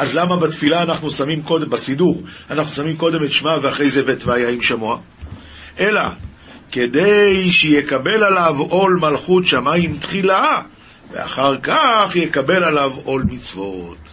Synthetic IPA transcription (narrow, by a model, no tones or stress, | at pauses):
ʔazlamabat̪filaːnaχnusamimko̞dembasiduʁanaχnusamimko̞de̞metʃmaveaχʁe̞jzevetveajaimʃamua | ʔe̞la̰ | ke̞d̪e̞jʃejekabe̞lalavo̞lmalχutʃamaimtχila | vea̰χaʁkaχjekabe̞lalavo̞lmit͡svo̞t